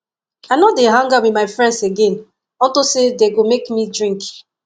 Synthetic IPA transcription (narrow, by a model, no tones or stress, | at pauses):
anɔdeɦãŋɡawimaɪfɹɛ̃ndseɡɛ̃n | ɔ̃ntosedeɡomekmidɹĩŋk